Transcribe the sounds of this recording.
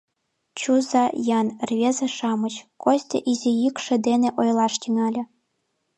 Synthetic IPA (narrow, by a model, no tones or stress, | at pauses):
t͡ɕuzɑjɑnrʲvʲezĕʂɑmɤ̆t͡ɕkosʲt̪ʲḛ̆ʔizʲejykʂɘ̆d̪enʲĕʔojlˠɑʂt̪ʲiŋɑlʲɘ̆